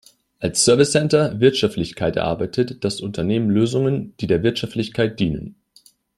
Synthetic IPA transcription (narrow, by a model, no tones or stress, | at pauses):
ʔalsːœɐvɪsɛntɐvɪɐtʃaftlɪçkʰaɪtɛ̰ɐʔa̰ɐbaɪtʰətd̥asʔʊntʰɐneːmənløːzʊŋənd̥iːdeːɐvɪɐtʃaftlɪçkʰaɪt̚d̥iːnə̰n